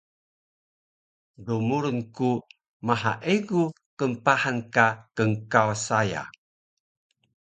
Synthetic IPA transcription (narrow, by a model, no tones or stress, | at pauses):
dumuɾənku | maɦaʔeɡu | kəmpahankakəŋkawasaja̰